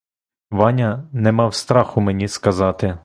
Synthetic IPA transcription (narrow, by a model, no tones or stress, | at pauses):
ʋɑnʲɐnɛmɑwst̪ɾɑxʊmenʲiskɐzɑt̪ɪ